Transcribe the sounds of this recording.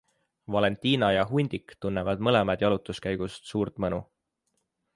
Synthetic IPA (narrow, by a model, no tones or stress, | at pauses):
vɑle̞nt̪ˑiːnɑjɑɦunʲd̪ikt̪unːevɑd̪̥mɤle̞mɑd̪̥jɑlut̪ːˑuskæjɡ̥ust̪suːɾt̪mɤnu